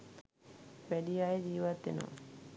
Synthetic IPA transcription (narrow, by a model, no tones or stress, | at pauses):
ʋæɖijajed͡ʒiːʋat̪ːḛno̰